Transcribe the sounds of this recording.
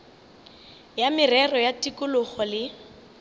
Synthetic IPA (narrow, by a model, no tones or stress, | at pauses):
jamɪrɛrɔjatʼikʊlʊχɔlɪ